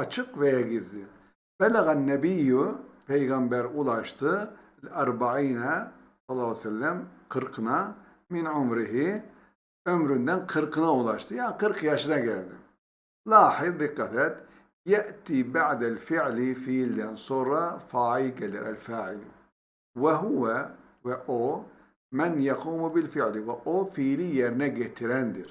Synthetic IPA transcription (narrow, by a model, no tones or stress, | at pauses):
ɑt͡ʃʰɨqvɛjɛɡizd̪i | b̥ælæɣænːɛbijːupʰɛjɣɑmbæɾulˠɑʃt̪ʰɯ | lʔɑɾbaʕiːnɛ | sɑlˠːɑlːsɛlːæmqʰɨɾqʰɨnɑ | minʕʊmɾiɦi | ʕømɾund̪ænqʰɨɾqʰɨnɑulˠɑʃt̪ʰɯjaːnqɨɾqʰjɑʃɯnɑɡɛld̪i | lɑːħɪðˤd̪ɪqːɑθat̪ | jaʔt̪ibaʕd̪alfɪʕlifiːlːansˤuɾˤːɑfaːʕiɡal̰ɾʔa̰lfaːʕɪli | waɦʊwa | waʔo | manjɑquːmbɪlfɪʕliwaʔoːfiːlijaɾnaɡat̪ɪɾand̪ɪɾ